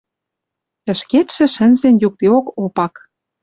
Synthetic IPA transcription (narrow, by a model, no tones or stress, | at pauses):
ə̆ʃket̪ʃɘ̆ʃə̆nzenjuk̚t̪eokopɑk